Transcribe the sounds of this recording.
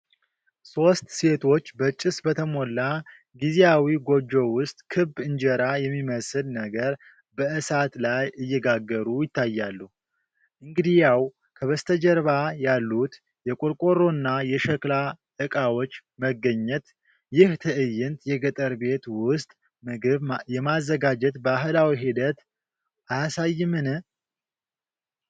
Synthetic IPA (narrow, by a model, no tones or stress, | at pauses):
so̞st̪se̞t̪ʰo̞t͡ʃːbət͡ʃʼːɪsbət̪ʰəmo̞lːa | ɡizejawiɡo̞d͡ʒo̞wʊst̪ʼkʰɨbɨɲd͡ʒɛɾajɛmːiməsɨlnəɡəɾ | bəʔɨsat̪lajʔɨjːɛɡaɡːəɾujɪt̪ʰːajːalːuh | ʔɨŋɡɨd̪ijaw | kʰəβəst̪ʰəd͡ʒəɾβajalːut̪ | jɛkʼoɾkʼoɾo̞nːajɛʃəkla | ʔɨkʼawo̞t͡ʃːməɡːəɲːɛt̪ | jɪht̪ʰɨʔɨjːɪnt̪jɛɡət̪ʼəɾbe̞t̪wʊst̪ʼ | ɨɨβjɛmazːəɡad͡ʒɛt̪baɦɨlawiɦid̪ət̪ | ʔajasajːɪmɨnɨ